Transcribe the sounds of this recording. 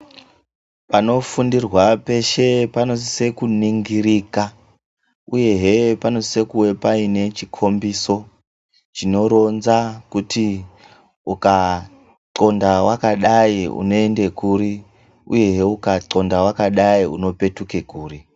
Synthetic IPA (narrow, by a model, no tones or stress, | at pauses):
pano̞fundirwape̞ʃe̞pano̞se̞kuniŋɡiɾika | uje̞ɦepano̞sise̞kuwe̞paine̞t͡ʃikʰo̞mbiso̞ | t͡ʃino̞ɾo̞nzakutʰi | uka | ǀo̞ndawakaɗaiṵno̞e̞nde̞kuɾi | ṵje̞ɦeukaǀo̞ndawakaɗaiṵno̞pe̞tuke̞kuːri